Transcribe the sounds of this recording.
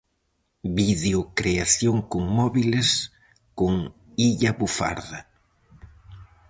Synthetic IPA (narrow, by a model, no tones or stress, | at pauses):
biðeʊkɾeaθjoŋkoŋmɔβiles | koŋ | iʎaβufa̰ɾða